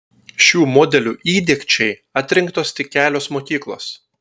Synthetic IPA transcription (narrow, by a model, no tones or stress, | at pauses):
ʃʲuːmɔːd̪ʲɛlʲuːʔiːd̪ʲɛːkʲt͡ʃʲɛɪɑt̪ʲɾʲɪŋkt̪oːst̪ʲɪkʲæːlʲoːsmoːkʲiːklˠo̰ːs